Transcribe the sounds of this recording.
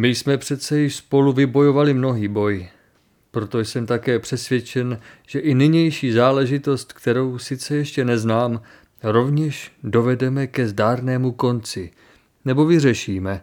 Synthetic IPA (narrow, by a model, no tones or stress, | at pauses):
mɪjsmɛpr̥ɛt̪t͡sɛjɪʃspo̞luvɪbo̞jo̞valɪmno̞ɦiːbo̞j | pɾo̞t̪o̞jsɛmt̪akɛːpr̝̥ɛsvjɛt͡ʃɛnʒ̥ɛʔɪnɪɲɛjʃiːzaːlɛʒɪt̪o̞st̪kt̪ɛɾo̞wsɪt͡sɛjɛʃcɛnɛznaːm | ɾo̞vɲɛʃdo̞vɛdɛmɛkɛzdaːɾnɛːmuko̞nt͡sɪ | nɛbo̞vɪrɛʃiːmɛ